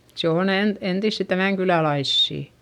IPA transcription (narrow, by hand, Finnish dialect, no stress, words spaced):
se on en entisːi tæmæˑŋkylælɑisːiˑ